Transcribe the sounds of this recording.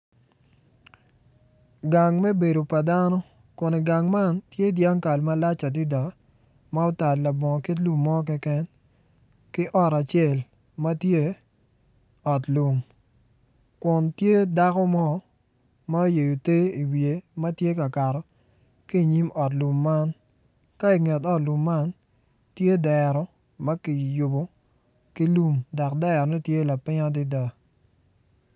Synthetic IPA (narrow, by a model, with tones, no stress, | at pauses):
ɡa˨ŋmɛ˦be˨do˨pa˨da˦nɔ˦ | kʊ˨ne˨ɡa˨ŋma˦ntje˦dja˦ŋka˨lma˦la˦t͡ʃa˨di˦da˨ | ma˦o˦ta˨tla˨bɔ˨ŋɔ˨ki˦t̬lu˦mːɔ˦k̬ɛ˦kɛ˦n | kɪ˦ʔɔ˦ɾa˨t͡ʃɛ˦˨l | ma˦tje˦ | ɔ˨tlu˨m | kʊ˨ntje˦da˦kɔ˦mɔ˦ | ma˦o˦je˨jo˨te˦i˨wje˨mɐ˦tje˦ka˨ka˨ɾɔ˨ | ki˦˨ɲi˦mɔ˨tlu˨mːa˦n | ka˦i˨ŋɛ˨tɔ˦tlu˨mːa˦n | tje˦dɛ˨ɾɔ˨ | mɐ˦ki˨jʊ˨bo˦ | ki˦lu˦mda˨kdɛ˦˨ɾɔ˨ni˦tje˦la˨pɪ˦ɲa˦dɪ˦da˦